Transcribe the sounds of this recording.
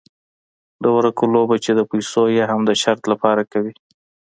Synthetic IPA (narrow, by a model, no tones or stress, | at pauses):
d̪owɾakulobat͡ʃed̪əpajsojeɦamd̪əʃaɾt̪lapɑɾakawi